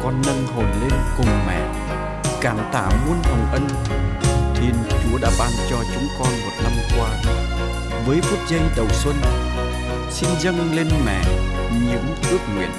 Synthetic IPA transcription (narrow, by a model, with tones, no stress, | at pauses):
kɔ˧nːə˧ŋɦo˨˩mle˧nkʊ˨˩ŋ͡mmɛ̰˧˨ | kaː˧˩mt̪a̰ː˧˩mu˧ənhə˨˩wŋ͡mʔə˧n | t̪ʰi˧ənt͡ɕu˨˦əɗa̰ː˧˥ɓaː˧nt͡ɕɔ˧t͡ɕʊ˨˦ŋ͡mkɔ˧nmo˨˩t̚na˧mkwaː˧ | vəː˨˦jfu˦˥ətk̚zə˧ŋɗə˨˩wswə˧n | si˧nzə˧ŋle˧nmɛ̰˧˨ | ɲḭ˧˥əmʔɨ˦˥ək̚ŋwḭ˧˩˨ən